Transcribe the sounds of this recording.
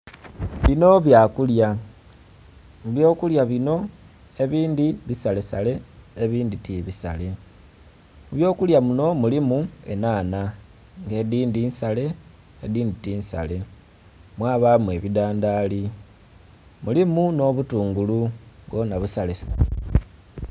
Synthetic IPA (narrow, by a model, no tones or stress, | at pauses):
βino̞βjakulja | mβjo̞ːkuljaβino̞ | e̞βiːndiβisale̞sale̞ːβiːnditiβisa̰le̞ | uβjo̞ːkuljamuno̞mulimue̞̰naːna | ŋɡe̞diːndinsale̞ː | diːnditiːnsa̰le̞ | mwaːβamwe̞βidaːndaːli | mulimuno̞βutuːŋɡuluɡo̞naβusale̞sale